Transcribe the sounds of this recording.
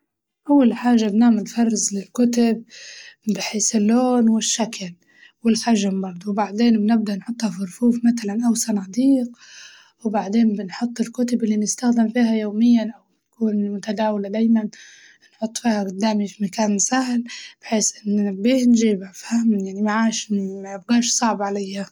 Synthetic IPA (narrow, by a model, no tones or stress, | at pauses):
ʔawːalħaːʒːabnaːmɪnfɑrˤːɪzlɪlkʊt̪ab̚bɪħeːsɪlːoːnwɪʃːakl | wɪlħaʒːambɑɾˤd̪ˤuwbaʕd̪eːnbnɪb̚d̪aʔnħʊt̪ˤːhɑfɪɾfuːfmat̪alanʔawsanaːd̪iːq̚ | wbaʕd̪eːnbɪnħʊt̪ˤːɪlkʊt̪abʔɪlːinɪst̪axd̪ɪmfiːɦajoːmɪjːanʔawnkuːnmʊt̪ad̪aːwalad̪aːjman | nħʊt̪ˤːfiːhaɡʊd̪ːaːmifimakaːnsahlb̥ɪħeːsʔɪnːabːiːhnʒiːbafahmajaʕnimaʕaːʃmajɪbɡaːʃsˤɑʕbʕalajːa